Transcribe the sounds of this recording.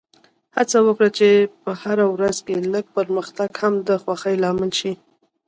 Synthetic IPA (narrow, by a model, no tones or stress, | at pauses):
hat͡sawəkɽat͡ʃepəhaɾawɾazkeləɡ̚pəɾməxt̪aɡhamd̪əxwaxəjlɑmɪlʃi